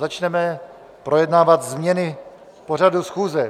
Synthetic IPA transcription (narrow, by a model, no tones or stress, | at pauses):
zat͡ʃnɛmɛ | pɾo̞jɛdnaːvat̪zmɲɛnɪ | po̞r̝adusxuːzɛ